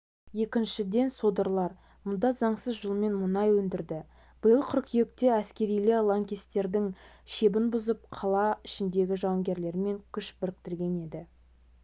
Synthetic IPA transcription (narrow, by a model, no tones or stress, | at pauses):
je̞kʲɪnʃɪd̪e̞nso̞d̪əɾlˠɑɾ | mʊnd̪ɑzɑɴsəzʒʊlˠme̞nmʊnɑjwɵnd̪ɪɾd̪ɪ | b̥ʊjəlˠqʰʏɾqjek̚t̪e̞æskʲe̞ɾijlɪlˠaŋkʲist̪e̞ɾd̪ɪŋ | ʃe̞bɪnbʊzəp̚qʰɑlˠɑɪʃɪnd̪e̞ɡʲɪʒɑwəŋɡʲe̞ɾle̞ɾme̞ŋkʲʰʏʃbɪɾɪk̚t̪ɪɾɡʲe̞ne̞d̪ɪ